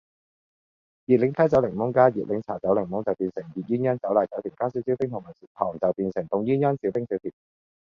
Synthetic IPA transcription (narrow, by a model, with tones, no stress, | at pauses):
jiː˨t̚lɪ˨˥ŋt̪ʰɐ˨˥t͡sɐ˨˥wlɪ˨˩ŋmʊ˨˥ŋkaː˥jiː˨t̚lɪ˨˥ŋt͡sʰaː˨˩t͡sɐ˨˥wlɪ˨˩ŋmʊ˨˥t͡sɐ˨wpiː˨˩nsɪ˨˩ŋjiː˨˩t̚jyː˥njœː˥nt͡sɐ˨˥wlaː˨˩jt͡sɐ˨˥wt̪ʰiː˨˩kaː˥si˨˥wsi˨˥wt̪ɪ˥ŋt̪ʊ˨˩ma˨˩˨t̪ʰɔː˨˩ŋt͡sɐ˨wpiː˨˧nsɪ˨˩ŋt̪ʊ˨˩ŋjyː˥njœː˥nsi˨˥wt̪ɪ˥ŋsi˨˥wt̪ʰiː˨˩p̚